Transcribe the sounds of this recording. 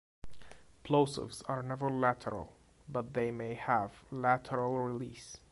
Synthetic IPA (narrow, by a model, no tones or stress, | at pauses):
pʰloʊsə̰vzəɹnɛvə˞lætʰə̰˞ə̰l̩ˠ | bʌt̪̚ðeɪmeɪəvlætʰəɹəl̩ˠɹɪlis